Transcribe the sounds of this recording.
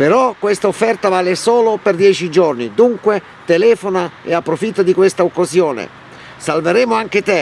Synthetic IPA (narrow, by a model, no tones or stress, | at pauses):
peɾɔkːwest̪aofːɛrt̪avaːlesoːloperd̪jɛːt͡ʃid͡ʒɔrnid̪uŋkwe | t̪elɛːfonaɛapːɾofit̪ːad̪ikwest̪aokːasjoːnḛ | salveɾɛːmʊaŋk̟ɪt̪ɛ